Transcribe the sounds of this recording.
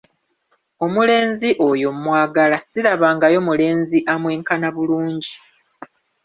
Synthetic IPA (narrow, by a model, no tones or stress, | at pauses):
o̞mule̞ːnziʔo̞jo̞mwaːɡalasiɾaβaːŋɡajo̞mule̞ːnziʔamweːŋkanaβuluːɲɟi